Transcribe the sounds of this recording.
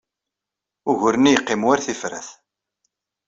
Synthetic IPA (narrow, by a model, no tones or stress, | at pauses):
ʊʝʊɾnijəqːɪmwæɾθifɾæ̰θ